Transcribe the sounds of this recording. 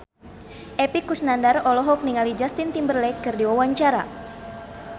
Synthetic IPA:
ʔɛpikusnandarɔlɔɦɔk̚niŋalid͡ʒast̪int̪imbərlɛkɨrdiwawaɲt͡ʃaɾa̰

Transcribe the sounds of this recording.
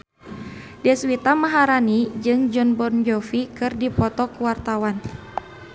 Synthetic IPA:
dɛswit̪amaɦaɾanid͡ʒɨŋd͡ʒɔnbɔrnd͡ʒɔfikɨrdipɔt̪ɔkuwart̪awan

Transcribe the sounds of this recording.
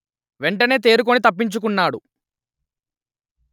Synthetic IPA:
ʋeɳʈɐne̞ːt̪̬e̞ːɾuk̬onit̪ɐpːiɲt͡ʃuk̬unːaːɽu

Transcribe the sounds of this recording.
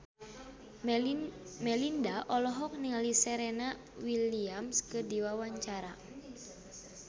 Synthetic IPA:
mɛlindaʔɔlɔɦɔk̚niŋalisɛɾɛna | wiliamskɨdiwawaɲt͡ʃaɾa

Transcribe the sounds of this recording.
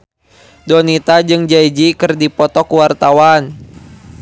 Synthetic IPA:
dɔnit̪ad͡ʒɨŋd͡ʒaid͡ʒikɨrdipɔt̪ɔkuwart̪awan

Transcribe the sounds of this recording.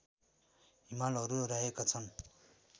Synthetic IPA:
ɦimalʌɾuraɦekat͡sʰʌn

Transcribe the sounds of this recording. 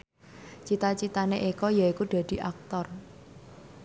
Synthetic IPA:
t͡ʃit̪at͡ʃit̪aneʔikɔjaikuɖ̪̥a̤d̪̥i̤ʔak̚t̪ɔr

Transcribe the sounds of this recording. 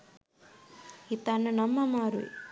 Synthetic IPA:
it̪anːɐnɐmːɐmaːɾṵ

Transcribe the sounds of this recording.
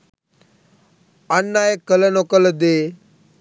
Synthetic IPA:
ənːajekːələnokəld̪e

